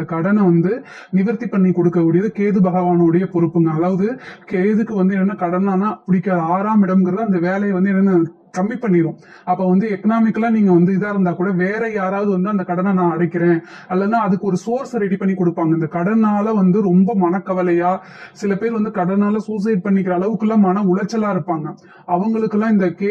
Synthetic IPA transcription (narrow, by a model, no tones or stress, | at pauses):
ɐkɐɽɐnɐʋɐnd̪ɯ | nɪʋɐɾt̪ːipːɐɳːikɔɽɯkːɐkʊɽɪjɐðɯkeːðɯbɐɣɐʋaːnɔɯɽɐjɐpɔɾɯpːɯŋɡɐɐlːaːʋɐðɯkeːðɯkːɯʋɐnd̪ɯɛnːɐnːɐkɐɽɐnaːnaːɐpːʊɽɪkːaːaːɾaːmɪɽɐmɡɪɾɐðɯɐnd̪ɐʋeːlɐjɐʋɐnd̪ɯɛnːɐna | kɐmbipːɐɳːɪɾõ | ɐpːoːʋɐnd̪ɯɛkɐnaːmɪkːɐlaːniːŋɡɐʋɐnd̪ɯɪðaːɪɾɯnd̪aːkuːɽɐʋeːɾɛjaːɾaːʋɐðɯʋɐnd̪ɯɐnd̪ɐkɐɽɐnɐnãːɐɽɐɪkːɪɾẽː | ɐlːɛnːaːɐðɯkːɯɔɾɯsoːɾsɐɾɛɽipɐɳːikːɔɽɯpːaːŋɡɐɪnd̪ɐkɐɽɐnaːlɐʋɐnd̪ɯɾɔmbɐmɐnɐkːɐʋɐlɐjaː | sɪlɐpeːɾʋɐnd̪ɯkɐɽɐnaːlɐsuːs̬ɐɪʈ̚pɐɳːɪk̬ːɪɾɐːɭɐʋɯkːɯlːãːmɐːnɐʊɭɐt͡ʃːɐlaːɪɾɯpːaːŋɡɐ | ɐʋɐŋɡɐɭɯkːɯlãːɪnd̪ɐke